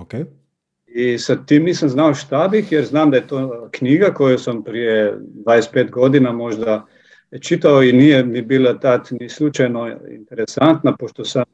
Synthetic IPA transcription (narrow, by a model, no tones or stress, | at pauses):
oke | isat̪iːmniːsamznaoʃt̪abixjɛɾznaːmd̪ajet̪oːkniːɡakojusampɾijed̪ʋaːjespeːt̪ɡo̞d̪inamo̞ʒd̪a | t͡ʃit̪aoinijɛmibiːlˠat̪at̪nislut͡ʃajnoḭnt̪eɾesant̪napoʃt̪osa